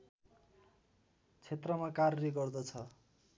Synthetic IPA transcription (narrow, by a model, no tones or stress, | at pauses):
t͡sʰet̪rʌmakarʌleɡʌrd̪ʌt͡sʰʌ